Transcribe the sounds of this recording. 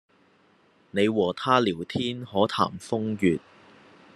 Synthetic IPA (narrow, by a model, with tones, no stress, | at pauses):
ne˨˧jwɔː˨˩t̪ʰaː˥liː˨˩wt̪ʰiː˥nhɔː˨˥t̪ʰa̰ː˨˩mfʊ˥ŋjyː˨t̚